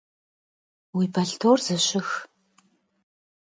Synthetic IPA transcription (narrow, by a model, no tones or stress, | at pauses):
wijbɐɬtʰoːrz̥ɨɕɪx